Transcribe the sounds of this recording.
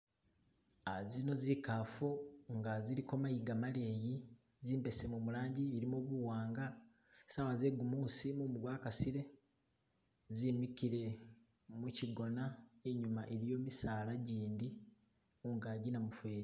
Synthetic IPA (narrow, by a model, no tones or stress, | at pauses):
azino̞zikaːfuŋɡaziɾiko̞majiɡamale̞ji | ziːmbe̞se̞mumulaːɲɟiβiɾimoβuwaːŋɡa | sawaze̞ɡumuːsimumuɡwaːkasiɾe̞ | zimikiɾe̞ | muciɡo̞naeɲumaʔeɾijo̞misalaɟiːndi | uŋɡaɟinamufwe̞ːɾi